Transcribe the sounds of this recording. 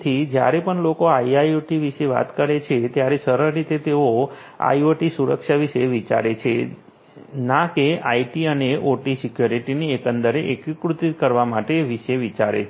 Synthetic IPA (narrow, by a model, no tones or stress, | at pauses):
t̪ʰid͡ʒja̰ɾepəɳlokoaiajoʈiʋiʃeʋa̰t̪kəɾet͡ʃʰet̪jaɾesəɾəɾɾit̪et̪eo | a̰ioʈisuɾəkʃaʋiʃeʋit͡ʃa̰ɾet͡ʃʰe | nakeaiʈiəneʔoʈisikjoɾiʈiniekənd̪əɾeʔekkɾut̪ikəɾʋamaʈeʋiʃeʋit͡ʃaɾḛ